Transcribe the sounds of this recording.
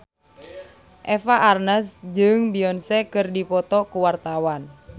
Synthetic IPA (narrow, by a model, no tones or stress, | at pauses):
ʔɛfaʔarnəsd͡ʒɨŋbiɔnsɛkɨrdipɔt̪ɔkuwart̪awan